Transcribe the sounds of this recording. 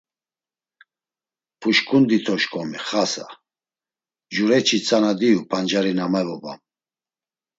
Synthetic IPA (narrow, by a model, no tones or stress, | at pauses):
pʰuʃkʰʼund̪it̪ʰɔʃkʰʼɔmiχasa̰ | d͡ʒuɾɛt͡ʃʰit͡sʼanad̪ijupʰand͡ʒaɾinamɛvɔbam